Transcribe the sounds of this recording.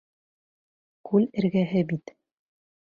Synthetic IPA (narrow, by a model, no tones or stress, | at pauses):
kʉlɘ̆ɾɡæɦɘbit̪